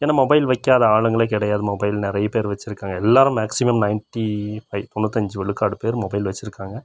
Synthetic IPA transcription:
eːnːaːmɔbɐɪlʋɐkːaːðɐaːɭɯŋɡɐɭekɪɽɐjaːðɯmɔbɐɪlnɪɾɐjɐpeːɾʋɐt͡ʃːɪɾɯkːaːŋɡɐɛlːaːɾɯmːaːksɪmɐmnɐɪnʈifɐɪt̪ɔnːɯt̪ːɐɲd͡ʒɯʋɛɭɯkːaːɽɯpeːɾmɔbɐɪlʋɐt͡ʃːɪɾɯkːaːŋɡɐ

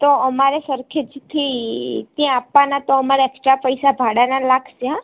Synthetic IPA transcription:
t̪oəmaɾesəɾkʰed͡ʒt̪ʰit̪jãːpːanat̪oəmaɾeeksʈɾapəjsabʱaɽanalaɡʱsa

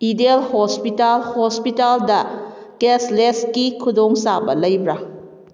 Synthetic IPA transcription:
idelhospitalhospitaldɐkesles̚kikʰudoŋsabɐ̰lɐjbɾa

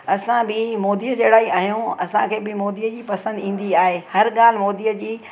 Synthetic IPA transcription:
ɐsãbɪmoːd̪ijəd͡ʑeːɽaːɦiaːɦijũɐsãkʰeːbɪmoːd̪iːəd͡ʑiːpɐsə̃nd̪ĩːn̆d̪iaːɦeːhɐɾɠaːl̤ɪmoːd̪iːjəd͡ʑiː

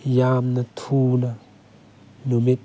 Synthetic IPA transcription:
jamnat̪ʰuna | numet̪

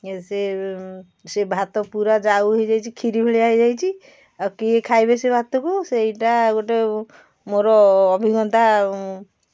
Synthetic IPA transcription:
se | sebʱat̪ɔpuɾad͡ʒawɦejd͡ʒajt͡ʃʰikʰiɾibʱeɭiaɦid͡ʒajt͡ʃʰi | awkiekʰajbesebʱat̪ɔkusejʈaɡoʈe | moɾɔːbʱiɡɔnt̪a

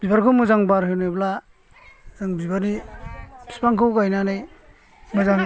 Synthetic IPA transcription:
bibaɾkʰɯmuzaŋbaɾɦewnɯjbla | zɯŋbibaɾni | bi̥spaŋkʰɯwkajnanaj | mɯzaŋ

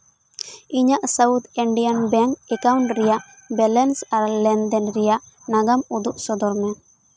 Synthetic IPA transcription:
iɲaʔsawt̪ʰiɳɖijanbɛŋkɛkawɳʈɾɛjaʔ | bɛlɛnsaɾlɛnd̪ɛnɾɛjaʔ | naɡamud̪uʔsɔd̪ɔɾmɛ

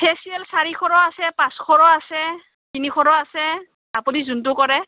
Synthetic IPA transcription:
pʰesiɛlsaɹikʰɔɹɔasɛpãskʰɔɹɔasɛ | tinixʰɔɹɔasɛ | apunizunt̬ʊkɔɹɛ

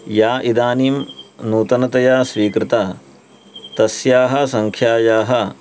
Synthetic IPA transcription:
jaːʔid̪aːniːmnuːt̪ɐnɐt̪ɐjaːsʋiːkɾɪt̪aː | t̪ɐsjaːɦɐ̆sɐŋkʰjaːjaːɦɐ

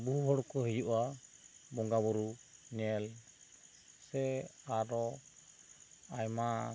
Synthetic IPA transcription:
buɦuɦɔɽkɔɦijuʔa | bɔŋɡabɔɾunɛl | sɛaɾɔ | ajma

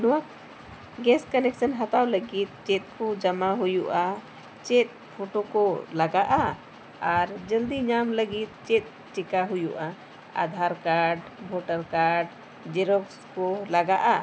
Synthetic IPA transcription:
nɔwak̚ | ɡɛskənɛksənɦat̪awləɡit̪̚t͡ʃɛt̪̚kɔd͡ʒəmaɦujuʔa | t͡ʃɛt̪̚ | pʰoʈokɔlaɡaʔa | aɾd͡ʒəld̪iɲamləɡit̪̚t͡ʃɛt̪̚ˀ | t͡ʃɛkaɦujuʔa | a̰d̪ʱaɾkaɖbʱoʈəɾkaɾɖ | d͡ʒɛɾɔkskɔlaɡaʔa

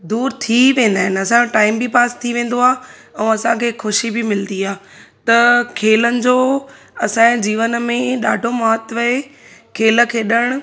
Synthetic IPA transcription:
d̪uːɾt̪ʰiʋẽːn̆d̪aːɦɪn̆ɐsãoʈaːɪmbipaːst̪ʰiʋẽːn̆d̪oaː | ɛ̃ːɐsãkʰeːxʰʊʃibɪmɪld̪iaːt̪ɐkʰeːlənɪ̆d͡ʑoː | ɐsãd͡ʑiːʋənmẽɗaːɖʱomaɦət̪ʋɐe | kʰeːlə̆kʰeːɗəɽ̃ʊ̆

